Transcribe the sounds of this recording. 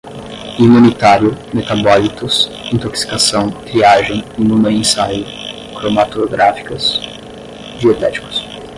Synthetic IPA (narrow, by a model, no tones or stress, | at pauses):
imũnit̪aɾjʊmet̪abɔlit̪ʊs | ĩnt̪oksi̥kasɐ̃w̃heaʒẽj̃nũmɐẽsajʊ | kɾomat̪oɡɾafi̥kɐs | d͡ʒiet̪ɛ̰t͡ʃi̥kʊ̥s